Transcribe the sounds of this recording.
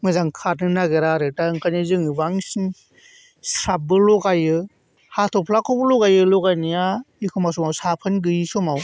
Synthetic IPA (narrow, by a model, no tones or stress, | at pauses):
mɯzaŋkʰat̚nɯnaɡeɾaɾɯtaɯŋkʰanizɯŋɯbaŋsiŋ | sɾap̚bɯlɔɡajɯ | hatʰɔpʰlakʰɔbɯlɔɡajɯlɔɡajnijaikʰɯmasɔmawsapʰɯnɡɯjsɔmaw